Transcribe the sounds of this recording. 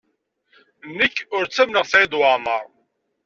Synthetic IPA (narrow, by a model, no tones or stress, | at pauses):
nːəçʊɾt͡sːæmnəʁθʕid̪wɑməɾˤ